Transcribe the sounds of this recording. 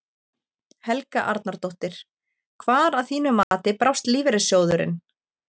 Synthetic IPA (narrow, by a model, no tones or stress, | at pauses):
hɛlkaʔa̰ɾt̪naɾt̪owht̪ɪɾ̥ | kʰvaːɾaðθiːnʏmaːt̪ɪpɾaw̥st̪liːvɪɾɪsjoːwðʏɾɪ̰n